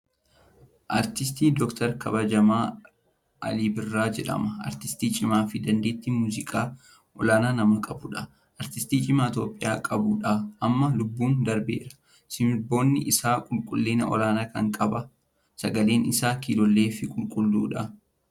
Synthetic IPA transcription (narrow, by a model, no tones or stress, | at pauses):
ʔɐɾt̪ɪs̬t̪iːd̪ɔkt̪ɐɾkɐbɐd͡ʒɐmaː | ʔɐ̰liːbɪrːaːd͡ʒɛᶑɐ̰mɐɐ̰ɾt̪ɪst̪iːt͡ʃʼɪmaːfɪd̪ɐnd̪e̞ːt̪ːimuːzɪkʼaː | ʔɔlaːnaːnɐmɐkʼɐbʊᶑɐ | ʔɐɾt̪ɪst̪iːt͡ʃʼɪmaːt̪o̞ːpʼːɪja̰ːkʼɐbuᶑaʔɐmːɐlʊbːuːnd̪ɐɾbḛːɾɐ̥ | sɪmɪbo̞ːnːɪʔɪsaːkʼʊlkʼʊlːeːnɐʔɔ̰laːnaːkɐ̰ŋkʼɐbɐ | sɐɡɐle̞ːnɪsaːkiːlɔlːe̞ːfɪkʼʊlkʼʊlːṵːᶑɐ